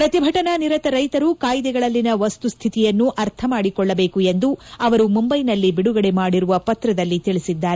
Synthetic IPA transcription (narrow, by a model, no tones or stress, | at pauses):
pɾɐt̪ibʱɐʈɐnaniɾɐt̪ɐɾɐjt̪ɐɾukaːjid̪ɛɡɐɭɐlːinɐʋɐst̪ust̪ʰit̪ijɐnːuʔɐɾt̪ʰɐmaːɽikɔɭːɐbe̞ːkue̞nd̪uɐʋɐɾumumbɐjnɐlːibiɽuɡɐɽe̞maːɽiɾuʋɐpɐt̪ɾɐd̪ɐlːit̪iɭisid̪ːaːɾe